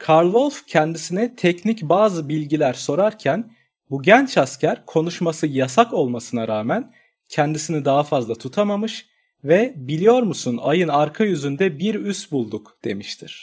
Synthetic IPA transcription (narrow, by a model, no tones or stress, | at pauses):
kʰaɾlˠolʲfcʰɛnd̪isinɛt̪ʰɛcnicbaːzɯbilʲɟilʲæɾso̞ɾaɾcʰæn | buɟɛnt͡ʃʰascʰæɾkʰo̞nuʃmasɯjasako̞lˠmasɯnaɾaːmæn | cʰɛnd̪isinid̪aɦafazlˠat̪ʰut̪ʰamamɯʃ | vɛbilʲijo̞ɾmusuna̰jɯnaɾkʰajyzynd̪ɛbiɾyst̪bulˠd̪ukd̪̥e̞̰miʃt̪ʰiɾ̥